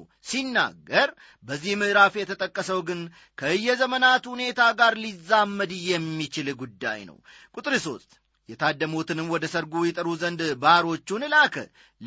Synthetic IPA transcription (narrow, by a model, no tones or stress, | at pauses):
sinːa̰ɡːəɾ | bəzːihmɨʔɾafjɛt̪ʰət̪ʼəkʼːəsəwɡɨn | kʰəɨjːɛzəmənat̪hune̞t̪ʰaɡaɾlizːamːəd̪ɨjɛmːit͡ʃɪlɡud̪ːa̰jnə̰w | kʼut̪ʼɾɨso̞st̪ʼ | jɛt̪ʰad̪ːəmot̪ɨnɨmwɔd̪əsəɾɡujɛt̪ʼəɾuzənd̪baaɾo̞t͡ʃːunɨlakʰə̰ | l